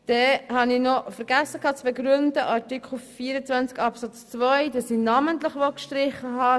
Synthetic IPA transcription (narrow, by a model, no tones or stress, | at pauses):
d̥ɛhɑnɪnɔfəɾɡ̥æsəkʰɑːt͡sʋɛɡɾʏndəʔɑɾtɪkχl̩fiːəɾət͡sʋvænt͡skɑpsɑt͡st͡svœjd̥ɑsinɑmənt̪ləχʋɔlkʃtɾɪχəɦɑ